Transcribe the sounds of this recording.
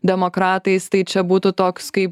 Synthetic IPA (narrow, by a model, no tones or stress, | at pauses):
d̪ʲɛmoːkɾɑːt̪ɐɪst̪ɐɪt͡ʃʲɛbuːt̪ʊt̪oːkskɐɪp